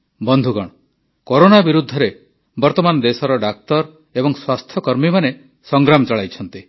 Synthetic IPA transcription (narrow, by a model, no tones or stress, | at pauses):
bɔnd̪ʱuɡɔɽ̃ɔ | koɾonabiɾud̪ʱːɔɾe | bɔɾt̪ɔmanɔd̪esɔɾɔɖak̚t̪ɔɾ | ebɔŋswast̪ʰjɔkɔɾmimane | sɔŋɡɾamɔt͡ʃɔɭajt͡ʃʰɔnt̪i